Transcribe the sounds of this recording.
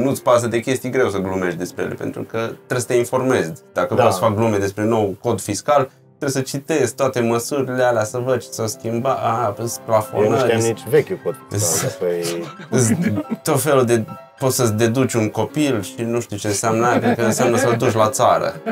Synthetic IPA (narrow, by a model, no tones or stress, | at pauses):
nut̪sʲpas̬əd̪ekʲe̞st̪ijɡɾe̞wsəɡlume̞ʃt̪d̪e̞spɾejelḛpe̞̰nt̪ɾṵkət̪ːɾesət̪e̞info̞rme̞zʲd̪̥akəvosfak̚ɡlumed̪e̞spɾe̞no̞wko̞d̪fiskal | t̪ɾesət͡ʃit̪e̞zt̪oat̪e̞məsuɾilealeasəvəd̪ʃi̥sawskʲimbaasplafo̰nnəɾit͡ʃvekʲjupot̪aoj | t̪o̞t̪fe̞lud̪e̞ | po̞t̪səsd̪e̞d̪ut͡ʃʲunko̞pilʃinuʃt̪iut͡ʃe̞ɨnseamnajakkəɨnseamnəsəld̪uʃʲlat̪saɾə̰